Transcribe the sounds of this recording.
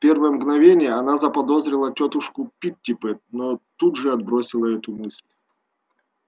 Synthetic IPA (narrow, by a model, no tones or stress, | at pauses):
pʲe̞rvəjəmɡnɐvʲenʲɪjəɐnazəpɐd̪o̞zɾʲɪlˠətʲot̪ʊʂkʊpʲitʲːɪpɛt̪̚not̪ud̪ʐɨɐd̪̚bɾo̞sʲɪlˠəɛt̪ʊmɨsʲlʲ